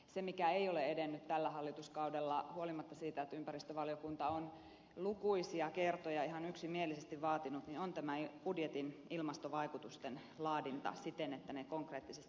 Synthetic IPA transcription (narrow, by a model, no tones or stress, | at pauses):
semikæeioleedenːyt̪t̪ælːæɦɑlːit̪uskɑudelːɑhuolimɑt̪ːɑsiːt̪æet̪ympærist̪øʋɑlijokunt̪ɑon | lukuisiɑkert̪ojɑiɦɑnyksimielisest̪iʋʋɑːt̪inut̪ninont̪æmæb̥udjet̪inilmɑst̪oʋɑikut̪ust̪en | lɑːdint̪ɑ̰sit̪enet̪ːænekoŋkreːt̪ːisest̪i